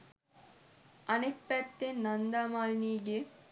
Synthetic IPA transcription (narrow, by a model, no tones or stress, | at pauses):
ɐnekpæt̪ːenːɐnd̪aːmaːlniːɡe